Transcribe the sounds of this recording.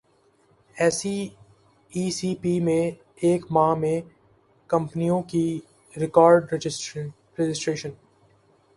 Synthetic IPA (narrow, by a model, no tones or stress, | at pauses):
ɛːsi | iːsiːpimẽ | eːkmãːmẽ | kɐ̃mpnijõki | ɾɪkɔːɾɖ | ɾɛd͡ʒɪsʈɾeːʃən